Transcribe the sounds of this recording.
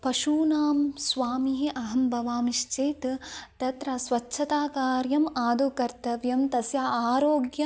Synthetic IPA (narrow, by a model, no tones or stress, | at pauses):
pɐʃuːnaːmsʋaːmiɦiʔɐɦɐmbʱɐʋaːmiʃt͡ʃeːjt̪t̪ɐt̪ɾɐsʋɐt͡ʃːʃʰɐt̪aːkaːɾjɐmaːd̪ʱukɐɾt̪ɐʋjɐmt̪ɐsjaaːɾoːɡjɐ